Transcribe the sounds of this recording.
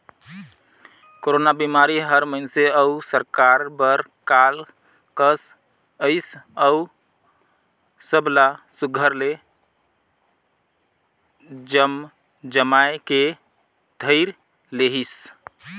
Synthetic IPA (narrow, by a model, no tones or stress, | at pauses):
koɾonabimaɾiɦəɾməɪnseəusəɾkaɾbəɾ | kal | kəs | əɪsəu | səblasuɡʱəɾle | d͡ʒəm | d͡ʒəmaeke | d̪ʱəɪɾ | leɦis